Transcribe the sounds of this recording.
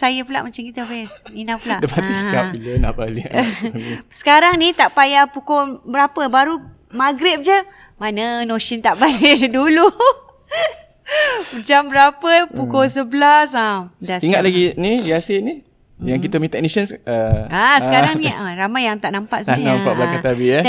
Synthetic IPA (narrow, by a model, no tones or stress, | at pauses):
sajəpula̰ʔmat͡ʃamkit̪əwɛsninapulaʔdəpat̪isəkap̚biləna̰ʔbali | sə̥kaɾaŋnit̪aʔpajapukobəɾapəbaɾu | maɡɾip̚d͡ʒə | manənoʃint̪aʔbalidulu | pəd͡ʒambəɾapəpukos̬əbəlasadaiŋat̪̚laɡiniiaseni | jaŋkit̪əmit̪ɛk̚nisənəasəkaɾaŋniaɾamajːaŋt̪aʔnampaʔsəapaʔblaat̪abi